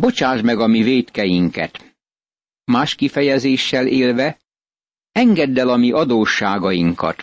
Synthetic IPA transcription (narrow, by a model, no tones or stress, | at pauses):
bo̞t͡ʃaːʒmɛɡɒmiveːt̪kɛjiŋkɛ̰t̪ | maːʃkifɛjɛzeːʃːɛlʔeːlvɛ | ɛŋɡɛd̪ːɛlɒmiʔɒd̪oːʃːaːɡɒjiŋkɒ̰t̪